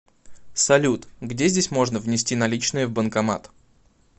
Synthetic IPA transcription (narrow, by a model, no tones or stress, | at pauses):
sɐlʲut̪ɡdʲezʲdʲesʲmo̞ʐnəvnʲɪsʲtʲinɐlʲit͡ɕnɨjəvbənkɐma̰t̪